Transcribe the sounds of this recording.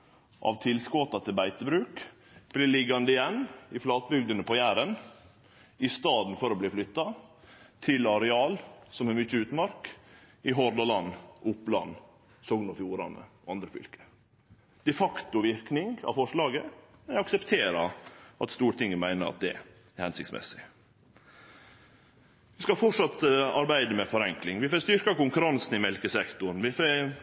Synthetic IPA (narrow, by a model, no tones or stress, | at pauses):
ʔɑ̰ʋt̪ʰɪlskɔt̪ɑt̪ʰɪlbæɪt̪əbɾʉːk | b̥lɪːɭɪɡːɑnd̪əɪjɛnːɪflɑːt̪̚bʏɡd̪ənəpʰɔjæːɾən | ɪst̪ɑːd̪n̩fɔɾɔbliːflʏt̪ːɑ | t̪ʰɪlɑɾɛɑːlsɔmæɾmʏt͡ʃːəʉːt̪mɑɾk | ɪɦɔɾd̪ɑlɑnːʔʊplɑ̰nː | sɔɡnɔfjuːɾɑ̰nə̰ | ɑnd̪ɾəfʏ̰lkə̥ | d̪̥ɛfɑkt̪ʊʋɪɾknɪŋɡɑ̰fɔʂɭɑːɡəɛnɑksəpt̪ʰeːɾɑʔɑt̪st̪uːɾəʈ̪t̪ɪŋːəmæɪnəɾɑ̰t̪̚d̪ɛ̰ | ɛɾhɛnsɪ̰k̚t̪smʔɛ̰sɪ̥ | ʋɪskɑfɔʈʂɑt̪əɑɾbæɪd̪əmɛfɔɾɛŋklɪŋʋɪfoːst̪ʏɾkɑkʊŋkʉɾɑnsn̩ɪmɛlkəsɛkt̪ʊɾn̩ʋɪfø